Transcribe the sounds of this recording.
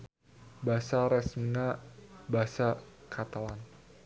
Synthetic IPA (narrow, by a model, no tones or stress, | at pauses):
basaɾɛsminabasakʰat̪alan